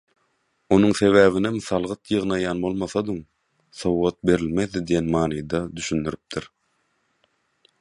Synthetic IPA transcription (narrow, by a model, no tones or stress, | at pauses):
o̞nuŋθe̞βæːvinemθɑlˠʁɯt̪jɯʁnɑjɑːnbo̞lˠmɑθɑd̪ɯŋ | θo̞wʁɑt̪̚be̞ɾilme̞ðːid̪ijenmɑːnɯjd̪ɑd̪yʃynd̪yɾyp̚d̪ʰiɾ